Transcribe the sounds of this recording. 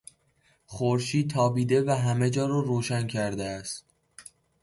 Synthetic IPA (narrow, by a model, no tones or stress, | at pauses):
χoɾʃiːd̪̚t̪ʰɒːbiːd̪e̞væɦæme̞d͡ʒɒːɾɒːɾoːʃæncʰæɾd̪eæst̪